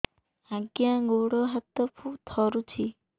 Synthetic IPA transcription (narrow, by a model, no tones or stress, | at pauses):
aɡjãːɡoɽɔɦət̪ːɔpʰut̪ʰɔɾut͡ʃʰi